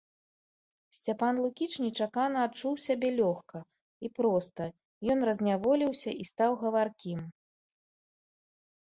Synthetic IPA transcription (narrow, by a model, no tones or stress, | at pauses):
sʲt͡sʲapanlˠukʲit͡ʂnʲit͡ʂakanɐːt͡ʂuwsʲabʲɛlʲɔxkɐ | ipɾɔst̪ɐ | jɔnrɐzʲnʲavɔlʲiwsʲɐist̪awɣɐvarkʲim